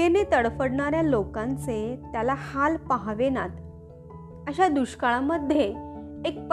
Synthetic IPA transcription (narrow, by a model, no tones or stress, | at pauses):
kenet̪əɽfəɽɳaɾjalokãnt͡set̪jalahalpaɦʋenat̪ | əɕad̪uɕkaɭaməd̪ʱjeːk̚p